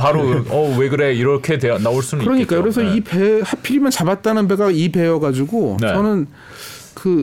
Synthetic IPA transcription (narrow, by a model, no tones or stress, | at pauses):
paɾoʌweɡɯɾeiɾʌkʰe̞dwejanaoɭs͈umkɯɾʌɲik͈ajokɾe̞sʰʌipe̞hapʰiɾimjʌnt͡ɕabat̚t͈anɯnbe̞ɡaipe̞jʌɡad͡ʑuɡont͡ɕʌnɯn | kɯ